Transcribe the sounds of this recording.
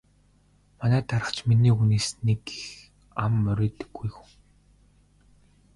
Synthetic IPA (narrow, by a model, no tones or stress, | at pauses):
manæːt̪ʰaɾə̆χt͡ɕminiːuniːsneɡi̥x | amːœɾʲeːt̪ɘ̥̆ɡːujxu̥ŋ